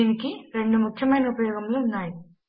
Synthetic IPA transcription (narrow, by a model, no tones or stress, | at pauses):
iːnikiɾe̞ɳɖumukʰjɐmɐjnɐupɐjoːɡɐmluːnːaːji